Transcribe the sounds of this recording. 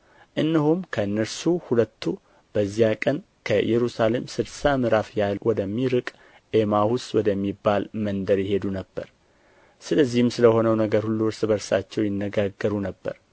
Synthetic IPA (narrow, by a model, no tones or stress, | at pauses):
ʔɨnːɨhumkʰəɨnːəɾsuhulət̪ːu | b̥əzːijakʼən | kʰəjɛɾusale̞msɨlsamɨɾafjalwɔd̪əmːiɾɨkʼ | ʔe̞mahuswɔd̪əmːibːalmənd̪əɾjɪhe̞d̪unəbːə̰ɾ | sɨləzːihɨmsɨləho̞nəwnəɡəɾhulːuɾsɨbəɾsa̰t͡ʃːɛwjɪnːəɡaɡːəɾunəbːə̰ɾ